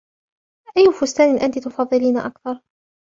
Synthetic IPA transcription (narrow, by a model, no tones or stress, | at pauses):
ʔajːʊfʊst̪aːnɪnʔant̪it̪ʊfɑðˤːɨliːnaʔakθɑɾˤ